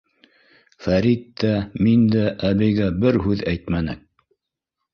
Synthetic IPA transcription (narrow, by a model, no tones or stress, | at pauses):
fæɾit̪ːæmind̪æʔːβɘjɡæbɘɾɦʉðæjt̪mænɘ̰